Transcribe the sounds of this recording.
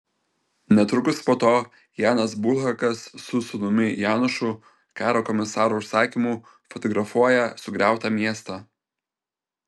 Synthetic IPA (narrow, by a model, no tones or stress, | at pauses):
nʲɛt̪ɾʊkʊspoːt̪oː | jɑːnɐs̬bʊlˠɦɐkɐsːʊsʊnʊmʲɪjæːnʊʃu | kɑːɾoːkɔmʲɪsɑːɾuːʊʃsɑːkʲimuː | fɔt̪ɔɡɾɐfuɔjɛsʊɡɾʲæˑʊt̪ɑːmʲiɛst̪ɑː